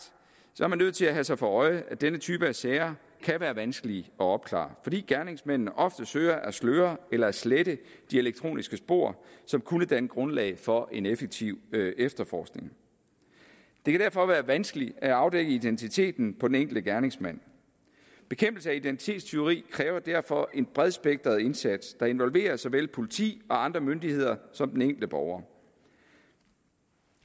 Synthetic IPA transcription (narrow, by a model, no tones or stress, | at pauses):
sɒ̽ɐmænːøð̞̰ˠt͡sʰe̝læɦæsɑ̈ɪfɒ̽ɒ̽ɪʔæd̥enət͡sʰyːb̥əæseːɐ | kʰæʋæːɐʋænsɡ̥əliɒ̽ɒ̽b̥̚kʰlɑ̰̈ːfɒ̽d̥ḭːɡ̥æɐne̝ŋsmen̰n̩ʔɒ̽fd̥əsøːɐʔæsløːɐelɐæsleɾ̥əd̥ie̝leɡ̥̚t͡sʰʁo̝̰ːnisɡ̥əsb̥o̝̰ɐ̰sɒ̽mkʰunəd̥ænɡ̥ʁɔ̽nlɛ̰ɪfɒ̽ʔe̝nefeɡ̥̚t͡sʰiʊ̰efd̥ɐfɒ̰ːsɡ̥ne̝ŋ | d̥e̝kʰæɾ̥æɐfɒ̽ʋæːɐʋænsɡ̥əliæɑ̈ʊd̥eɡ̥əid̥ent͡sʰit͡sʰe̝̰ːd̥n̩pʰɒdeneŋ̰ɡl̩d̥əɡ̥æɐne̝ŋsmæn̰ | b̥e̝kʰemb̥l̩səæid̥ent͡sʰi̥t͡sʰe̝̰ːd̥st͡sʰe̝o̝ʁḭːkʰʁɛːʊɐd̥æɐ̰fɒ̽ʔe̝nb̥ʁɛðˠsb̥eɡ̥̚d̥ɐð̩ˠe̝nsæd̥sd̥ɑ̈e̝nʋɒ̽lʋe̝̰ːɐsɒʋelpʰo̝lit͡sʰḭːɒ̽ɑ̈nd̥ʁɐmønd̥ihe̝ð̞̰ˠɐsɒ̽md̥en̩eŋ̰ɡ̥l̩d̥əb̥ɒʊɐː